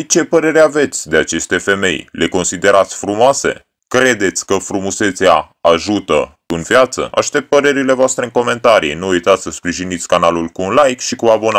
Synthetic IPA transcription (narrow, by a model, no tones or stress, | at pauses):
t͡ʃe̞pəɾe̞ɾeave̞t̪sʲd̪e̞at͡ʃe̞st̪e̞fe̞me̞̰jle̞ko̞nsid̪e̞ɾat̪sʲfɾumoase̞̰ | kɾe̞d̪e̞t̪sʲkəfɾumuse̞t̪sea̰ | aʒut̪ə | ɨnvijat̪sə̰a̰ʃt̪e̞p̚t̪̚pəɾe̞ɾile̞voast̪ɾeɨŋko̞me̞nt̪aɾḭjnuujt̪at̪sʲsəspɾiʒinit̪sʲkanalulkunlajkʃikuabo̞na